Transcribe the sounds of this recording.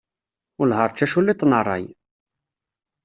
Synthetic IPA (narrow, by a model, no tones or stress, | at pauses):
ʊlɦəɾˤt͡ʃːæʃulːit̪ːˤnərˤːɑ̰j